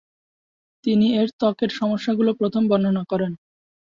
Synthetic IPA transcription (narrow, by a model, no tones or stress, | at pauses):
t̪inieɾt̪ɔkeɾʃɔmoʃːaɡulopɾot̪ʰombɔnd̪ʱonakɔɾen